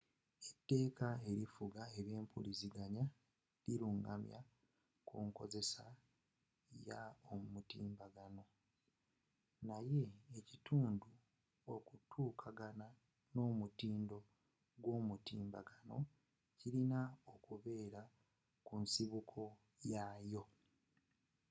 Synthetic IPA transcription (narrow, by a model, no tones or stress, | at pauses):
etːe̞ːkae̞ɾifuɡae̞βje̞ːmpʰṵliziɡaɲa | liɾuŋɡa̰mja̰ | kuŋko̞̰ze̞sa | jaommutiːmbaɡano̞ | naje̞ːcituːndu | okutʰuːkʰaɡana | no̞ːmutiːndo̞ | ɡwo̞ːmutiːmba̰ɡano̞ | cilinao̞kuβe̞ːɾa | kunsiβukʰo̞ | jajo̞